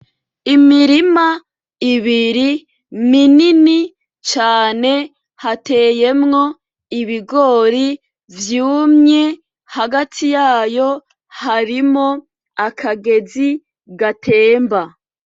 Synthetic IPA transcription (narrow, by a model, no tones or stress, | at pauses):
imiɾima | iβiɾi | minini | t͡ʃaːne̞ | hate̞ːje̞mŋo̞ | iβiɡo̞ːɾi | vjuːmɲe̞ | haɡatʰijaːjo̞ | haɾimo̞ | akʰaɡe̞zi | ɡatʰe̞ːmba